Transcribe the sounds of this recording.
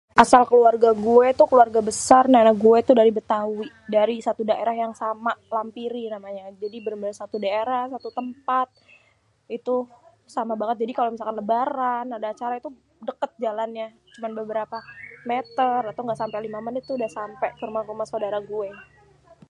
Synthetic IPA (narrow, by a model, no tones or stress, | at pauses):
ʔasalkəluarɡaɡuɛt̪ukəluarɡabəsarnaenaɡuɛt̪udaɾibət̪awi | daɾisat̪udaʔeɾahjaŋsamalampiɾinamaɲad͡ʒadibəɾəmbənəsat̪udaeɾahsat̪ut̪əmpat̪̚ | it̪u | samabaŋət̪̚d͡ʒadikalomisalkanləbaɾanadaːt͡ʃaɾait̪u | dəkət̪̚d͡ʒalanɲa | t͡ʃumanbəbəɾapamet̪ərat̪awŋɡaʔsampelimamənit̪uːdahsampɛfirmafumasawdaɾaɡuɛ